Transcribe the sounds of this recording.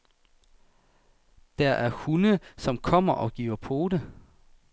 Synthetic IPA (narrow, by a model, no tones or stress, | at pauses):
d̥æɐʔæɐhunəsɒ̽mkʰɒ̽m̰ɐʔɒ̽ɡ̥iːʊɐpʰo̝ːdə